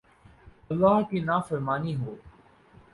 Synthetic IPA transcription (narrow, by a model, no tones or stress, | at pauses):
ɐlːaːõkinaːfəɾmaːniːɦoː